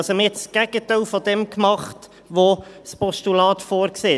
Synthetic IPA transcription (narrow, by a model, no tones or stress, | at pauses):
ɑsɛməɛtt͡ssɡ̥ɛɡ̥ətæɪlfɔdɛmkmɑχt | ʋospɔʃtulɑːtfoːɾkseː